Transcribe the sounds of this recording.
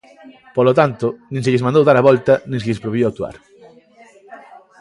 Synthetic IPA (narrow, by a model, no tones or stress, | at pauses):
polot̪ant̪onẽŋs̬eʎesmand̪owðaɾɐβɔlt̪ɐnẽŋseʎespɾoβjowak̚t̪ua̰ɾ